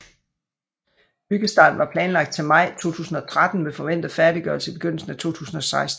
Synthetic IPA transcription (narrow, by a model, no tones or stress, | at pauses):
b̥yɡ̥əsd̥ɑ̰̈ːn̩ʋɑ̈pʰlɛːnlɑ̈ɡ̥d̥̚t͡sʰe̝lmɑ̈ɪ̰t͡sʰo̝̰ːt͡sʰṵːsn̩ɒ̽t͡sʰʁad̥n̩mefɒ̽ʋen̰d̥ðfæɐɾiɡ̥œɐlsəib̥e̝ɡ̥øn̰l̩sn̩æt͡sʰo̝̰ːt͡sʰuːsn̩ɒ̽sɑ̈ɪsd̥̩